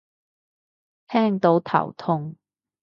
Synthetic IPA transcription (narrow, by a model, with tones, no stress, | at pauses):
t̪ʰɛː˥ŋt̪o˨˥wt̪ʰɐ̰˨˩wt̪ʰʊ˧ŋ